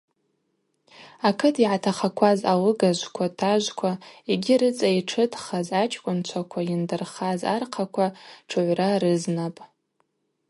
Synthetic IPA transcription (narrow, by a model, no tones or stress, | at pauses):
akʰɨtʰiʕatʰaχakʷʰazawɨɡaʒʷkʷʰatʰaʒʷkʷʰaeɡʲiɾɨt͡sʼaiʈ͡ʂʰɨtʰʼχazat͡ʃʰʼkʷʼʊnt͡ʃʷʰakʷʰaindɨrχaza̰rqʰakʷʰaʈ͡ʂʰɨʕʷraɾɨznapʼ